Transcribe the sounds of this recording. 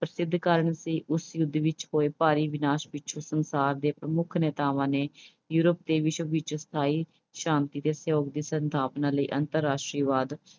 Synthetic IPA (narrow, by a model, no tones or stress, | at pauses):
pɾəsɪd̪ʱːkəɾəɳsiːʔʊsjʊd̪ʋɪt͡ʃhoːeːpaːɾiːʋɪnaːʃʋɪt͡ʃʰosənsaːɾd̪eːpɾəmʊkʰnɛːt̪aːʋãːneː | juːɾəp̚d̪eːʋɪʃʋɪt͡ʃst̪ʰaːiː | ʃãːnt̪iːt̪eːsjoːk̚d̪iːsənt̪ʰaːpnaːləiːʔənt̪əɾːaːʃʈɾiːʋaːd̪